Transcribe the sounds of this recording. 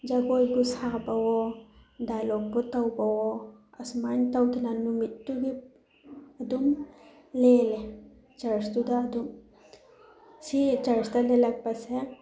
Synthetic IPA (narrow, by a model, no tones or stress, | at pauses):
d͡ʒɐɡoːjɡusaːbɐwod̪aloːk̚but̪ɐwbɐwoɐsmant̪ɐwk̪inɐnːumit̪ːuɡi | ɐd̪um | leːle | t͡ʃɐɾst̪ud̪aɐd̪um | sit͡ʃɐɾst̪ɐlelɐk̚pɐse